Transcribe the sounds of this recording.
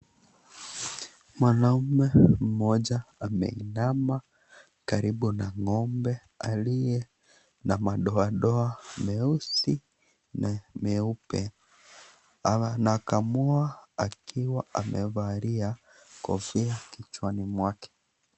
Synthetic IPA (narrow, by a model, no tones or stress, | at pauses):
mwanauumɛm̩mɔʄaamɛ̰ḭnama | kaɾiɓunaŋɔmbɛ | alijɛ | namaɗɔaɗɔamɛusi | namɛupɛ | nakamɔaakʰiwaʔamʔɛvaɾia | kɔ̰viakit͡ʃwanimwakɛ̥